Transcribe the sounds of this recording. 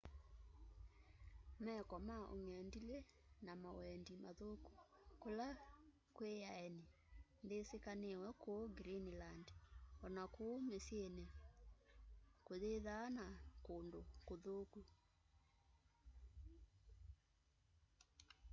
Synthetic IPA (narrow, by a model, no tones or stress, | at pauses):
mɛkɔmaʔo̰ŋɛndile | namawɛndimaðoku̥kola | kwejaɛni | nðesekanewɛkooɡɾinlandɔnakoːmesjenɛ | koðeðanakondokoðoku